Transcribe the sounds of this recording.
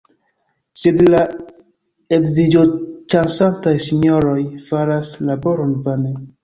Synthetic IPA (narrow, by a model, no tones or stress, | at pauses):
sedla | ekzid͡ʒot͡ʃansantajsiɲoɾojfaɾaslaboɾɔnvane